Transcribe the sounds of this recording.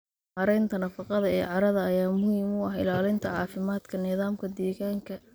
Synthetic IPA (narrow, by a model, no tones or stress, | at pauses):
ħɑɾɛjnt̪ʰɐnɐfɑqɑðɐɛːʕɑɾɐðɐːjaːmʊhiːmʊɐħɪ̰laːlɪnt̪ʰɐʕɑːfɪmaːd̪̥kʰɐnɪðaːmkʰɐd̪ɛːɣaːŋkʰɐ